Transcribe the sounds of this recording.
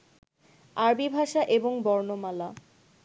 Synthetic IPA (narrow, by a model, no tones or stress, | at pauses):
aɾbibʱaʃaʔeboŋbɔɾnomala